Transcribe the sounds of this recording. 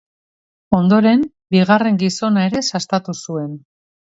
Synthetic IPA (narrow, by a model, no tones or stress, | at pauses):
o̞nd̪o̞ɾe̞m | biɣare̞ŋɡiso̞nae̞ɾe̞sast̪at̪usue̞n